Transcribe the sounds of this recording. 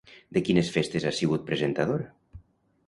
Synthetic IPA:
d̪ekinesfest̪ezasiɣut̪̚pɾezent̪að̞oɾa

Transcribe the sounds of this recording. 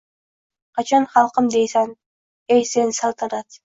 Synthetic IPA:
qʰɑt͡ʃʰɑnχɑlˠqəmd̪ejsɑn | ejsensɑlˠt̪ʰɑɾɑt̪

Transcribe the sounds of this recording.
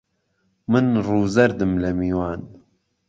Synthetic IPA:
mɨnruːzɐɾd̪ɨmlɐmiːwaːn

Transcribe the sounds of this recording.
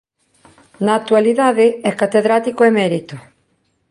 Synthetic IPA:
naːk̚t̪waliðaðɪɛkat̪eðɾat̪ikoemɛɾit̪o

